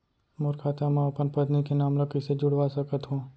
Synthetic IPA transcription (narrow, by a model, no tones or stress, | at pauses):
mʊɾkʰaːt̪amãɐpənpət̪nikenaːmlokɪsed͡ʒʊɽʋasəkət̪ɦũː